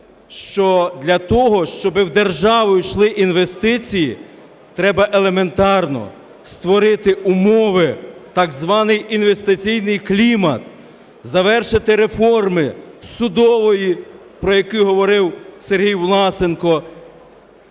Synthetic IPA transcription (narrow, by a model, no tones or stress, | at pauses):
ʃt͡ʃɔd̪ʲlʲɐt̪ɔɦɔʃt͡ʃɔbɪwd̪e̞rʒɑʋʊjʃlˠɪʔinʋe̞st̪ɪt͡sʲiji | t̪ɾɛbɐʔelˠe̞me̞nt̪ɑrnɔ̰ | st̪ʋɔɾɪt̪ɪʔumɔʋɪt̪ɑɡzʋɑnɪjinʋe̞st̪ɪt͡sʲijnɪjklʲimɐ̰t̪ | zɐʋɛrʃɪt̪ɪɾefɔrmɪsʊd̪ɔʋɔji | pɾɔjɐkʊɦɔʋɔɾɪwseɾɦijʋlˠɑsenkɔ